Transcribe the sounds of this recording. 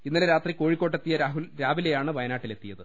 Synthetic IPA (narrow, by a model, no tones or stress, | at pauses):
inːileɾaːt̪riko̞ːɻikʲːoːʈːet̪ːijɐɾaːɦulɾaːbilejaːɳɨʋɐjɐnaːʈːile̞t̪ːijɐðɨ